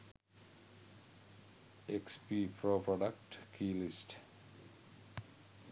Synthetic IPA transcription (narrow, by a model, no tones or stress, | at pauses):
ekspiːpɾopɾɔɖak̚ʈkʰilisʈ